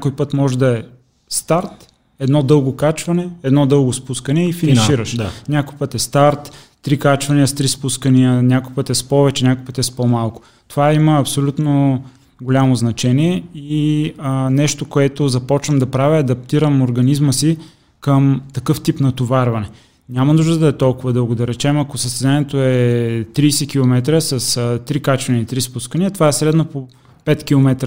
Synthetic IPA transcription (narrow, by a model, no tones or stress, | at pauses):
nkojpɤt̪mɔʒɛd̪ɐɛ | st̪aɾt̪ | ɛd̪nɔd̪ɤlˠɡokat͡ʃvɐnɛɛd̪nɔd̪ɤlˠɡospuskənɛifinɐ̃nʃiɾəʃd̪nʲakojpɤt̪ɛst̪aɾt̪t̪ɾikat͡ʃvɐniəst̪ɾispuskəniənʲakojpɤt̪ɛspɔvɛt͡ʃɛnʲakojpət̪iɛspɔmalˠko̥ | t̪ovaiməːpsolʲut̪no | ɡolʲamoznɐt͡ʃɛniɛiənɛʃt̪okoɛt̪ozɐpɔt͡ʃnəmd̪ɐpɾaviɐd̪ɐp̚t̪iɾəmoɾɡɐnizməsi | kəmt̪ɐkɤft̪ipnɐt̪ovaɾvɐnɛ | nʲamɐnuʒd̪əd̪ɐɛt̪ɔlˠkʊvɐd̪ɤlˠɡod̪ɐɾɛt͡ʃɛmɐkosəst̪ɛzaniɛt̪oɛt̪ɾiːsɛkilˠomɛt̪ɾəsɐst̪ɾikat͡ʃɐnɛit̪ɾispuskəniɐt̪ovaɛsɾɛd̪nopo | pɛt̪kʲilˠomɛt̪ɾə